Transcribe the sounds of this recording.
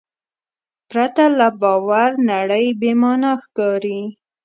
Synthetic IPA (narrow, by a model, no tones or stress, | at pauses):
pɾat̪alabɑwaɾnaɽəjbemɑnaxkɑɾi